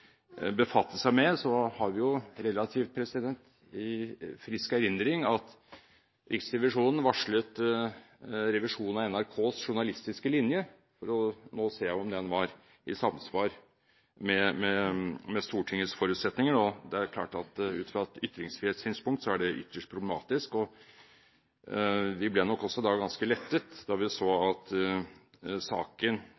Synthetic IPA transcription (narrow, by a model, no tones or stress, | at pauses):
bəfɑt̪ːəsæɪmɛsɔhɑɾʋɪjʊɾɛlɑt̪ʰiːft̪̚pʰɾɛsɪd̪ɛnt̪ | ɪfɾɪskæɾɪnd̪ɾɪŋɑt̪ | ɾɪksɾɛʋɪʂuːnən̩ʋɑʂɭət̪ | ɾɛʋɪʂuːnn̩ɑɛnæɾkʰoːsʂʊɳɑlɪst̪ɪskəlɪnjə | fɔɾɔnoːseːæɔmd̪ɛnʋɑɾ | ʔɪsɑmsʋɑːɾ | mɛmɛmɛst̪uːʈʰɪŋːəsfɔɾʉːt̪sɛt̪nɪŋəɳod̪ɛæɾkʰlɑ̰ːʈɑt̪ʉ̰ːt̪fɾɑt̪ʏt̪ɾɪŋsfɾɪeːt̪syːnspʊŋkt̪sɔæɖɛʔʏ̰t̪ʰːəʂʈ̚pʰɾʊblɛmɑːt̪ɪskɔ | ʋɪblɛːnɔkːɔsːɔd̪ɑːɡɑnskəlɛt̪ːət̪d̪ɑɾʋɪsoːɑt̪ | sɑːkən